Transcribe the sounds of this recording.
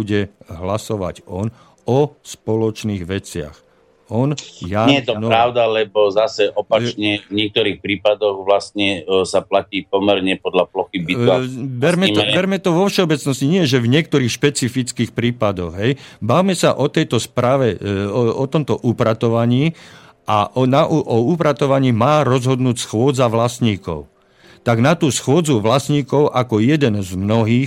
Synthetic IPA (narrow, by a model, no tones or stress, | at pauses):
uɟɛɦlasɔʋa̰ɟɔn | ɔspɔlɔt͡ʃniːɣʋɛt͡sɪa̰x | ɔnjaːɲɛjɛt̪ɔnɔɾawd̪alɛbɔzasɛʔɔpat͡ʃɲɛvɲɪɛk̚t̪ɔɾiːxpɾiːpad̪ɔɣʋlast̪ɲɛsaplaciːpɔmɛɾɲɛpɔd̪laplɔxibiabɛɾmɛɔbɛɾmɛt̪ɔʋɔfʃɛɔbɛt͡snɔsciɲɪɛʒɛvɲɪɛk̚t̪ɔɾiːxʃpɛt͡sifit͡skiːxpɾiːpad̪ɔɣɦɛjbawmɛsa̰ʔɔt̪ɛjt̪ɔspɾaːʋɛɔt̪ɔmt̪ɔʔupɾat̪ɔʋaɲiː | ʔanaʔuʔɔupɾat̪ɔʋaɲiːmaːɾɔzɦɔd̪nuːcsxʊɔd͡zaʋlasɲiːkɔ̰ʊ | t̪aɡnat̪uːsxʊɔd͡zuʋlasɲiːkɔʊʔakɔjɛd̪ɛnzmnɔɦiːx